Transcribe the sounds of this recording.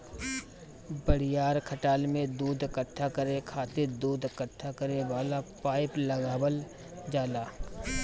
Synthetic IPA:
bəɽɪjaːɾkʰəʈaːlmẽd̪uːd̪ʱəkəʈʰːakəɾekʰaːt̪ɪɾd̪uːd̪ʱkəʈʰːakəɾeʋaːlapaːɪpləɡaːwəl | d͡ʒaːlaː

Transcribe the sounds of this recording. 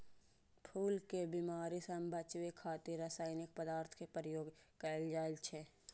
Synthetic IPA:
pʰuːlkebimaːɾisəmbʱət͡ʃwekʰaːt̪iɾaːsaːɪnɪk̚pəd̪aːɾt̪ʰkepəɾjoːɡkəld͡ʒaːlt͡ʃʰe

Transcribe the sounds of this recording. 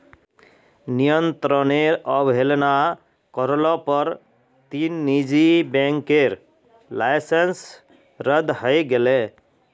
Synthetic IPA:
nijɔnt̪ɾɔneɾɔbʱɦelna | kɔɾlɔpɔɾ | t̪inːid͡ʒibɛŋkeɾ | lajsens | ɾəd̪ɦɔjɡele

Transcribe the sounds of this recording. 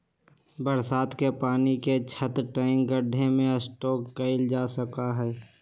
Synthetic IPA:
bəɾsaːt̪kepaːniket͡ʃʰət̪ɾʈaːɪŋɡəɖʱemẽəsʈɔːkːəɪld͡ʒaːsəkaɦɛː

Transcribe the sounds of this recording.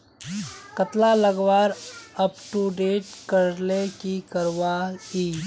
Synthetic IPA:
kət̪laləɡʋaːɾɐpʈuɖeːʈkɐɾlekikɐɾʋaiː

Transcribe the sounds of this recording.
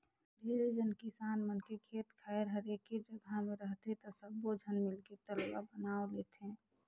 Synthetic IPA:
bʱeɾed͡ʒənkɪsaːnmənkekʰeːt̪kʰaɪɾɦəɾeked͡ʒəɡʱamẽɾəɦt̪ɦɛ̃t̪ɔsəbːod͡ʒʱənmɪlket̪əlba̰bənaːoleːt̪ɦɛ̃ː

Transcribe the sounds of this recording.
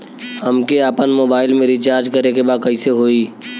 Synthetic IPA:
həmkeaːpənmoːbaːɪlmẽɾit͡ʃaːɾd͡ʒkəɾnekebaːd̪̚kɐiseɦoːiː

